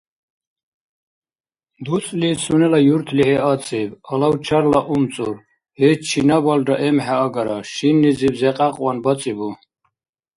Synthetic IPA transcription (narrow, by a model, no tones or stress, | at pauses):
d̪usʼlisunɛlajuɾt̪ʰlihɛat͡sʼibalawt͡ʃʰaɾlaʔumt͡sʼuɾ | hɛt͡ʃʰinabaldaʔɛmħaːɡaɾaʃinːizibzɛqʼaqʼwanbat͡sʼibu